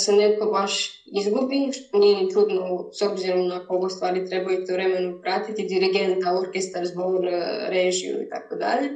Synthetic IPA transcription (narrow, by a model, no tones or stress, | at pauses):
seneko̞baʃ | izɡubiʃt̪onijenit͡ʃud̪nosobziɾo̞mnakooɡost̪ʋaːɾit̪ɾe̞bajut̪eʋɾe̞menupɾaːt̪it̪id̪iɾiɡent̪aoɾkest̪aɾzboɾɾeʒiṵḭt̪a̰kod̪a̰ʎe̞